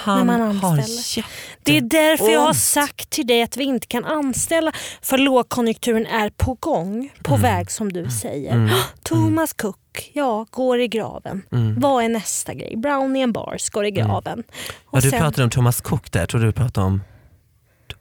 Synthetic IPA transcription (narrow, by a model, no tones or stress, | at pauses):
h̪mananɛlːd̪̥ɛæd̪æɾfœɾjɑhaʂakt̪ʰːɪld̪ɛjat̪vɪɪnt̪ə̥kʰananst̪ɛlːafœloːɡ̚kʰɔnjɵk̚t̪ʰʉ̟ːɾənæɾpʰɔɡɔŋpʰɔvɛːɡsɔmd̪ɵsɛ̰jːə̰ɾt̪ʰʊmaskʰʊkːjɑːɡ̥oːɾɪɡɾɑ̰ːvə̰nvaænɛst̪a̰ɡɾɛ̰jbɾaʊnɪɛnbɑ̰ːɾsɡ̥oːɾɪɡɾɑ̰ːvənɔd̪ɵɾɑːt̪ad̪ɔmt̪ʰʊmːaskʰʊkːd̪æ̰ʈʰɾuːɖɪpʰɾɑːt̪aɔ̰m